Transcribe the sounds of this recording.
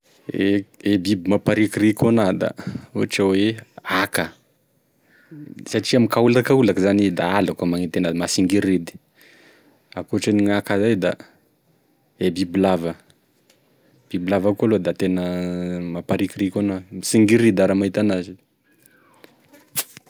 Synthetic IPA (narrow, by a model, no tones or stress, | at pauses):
eebibimapaɾikiɾikonad̪a̰uʈ͡ʂaweakə | saʈ͡ʂiamikaulakaulakəzanid̪aalakamaŋit̪enamasiŋɡiɾed̪i̥ | akuʈ͡ʂaniŋakazajd̪a̰ | ebibilavə | b̥ibilavakualod̪at̪enəmapaɾikiɾikonamisiŋɡiɾid̪aɾamaɦit̪anazi